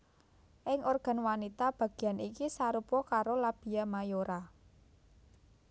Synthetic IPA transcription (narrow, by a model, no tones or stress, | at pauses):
ʔɪŋʔorɡ̥a̤nwanit̪ab̥ä̤ɡ̥i̤janikisaɾupɔkaɾolab̥i̤jamajoɾa